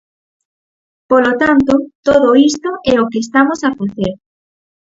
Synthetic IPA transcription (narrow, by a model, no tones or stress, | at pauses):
polot̪ant̪ot̪oðoist̪oʔɛokeːst̪amosafaθeɾ